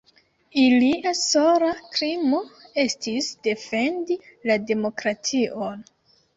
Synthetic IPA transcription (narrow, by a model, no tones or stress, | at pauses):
iliasoɾakɾimo̞e̞stisde̞fe̞ndilade̞mo̞kɾatʰiʔon